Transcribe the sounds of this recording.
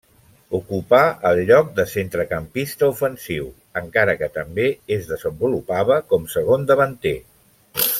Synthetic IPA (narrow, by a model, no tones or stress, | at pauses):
ukupaəlˠʎɔk̚d̪əsent̪ɾəkəmpist̪əufənsiw | əŋkaɾəkət̪əmbeezðəzəmbulupaβəkɔmsəɣ̞ond̪əβənt̪e